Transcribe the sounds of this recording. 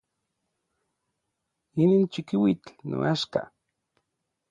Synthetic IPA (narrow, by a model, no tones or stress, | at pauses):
inint͡ʃikiwit͡ɬno̰ʔaʃka̰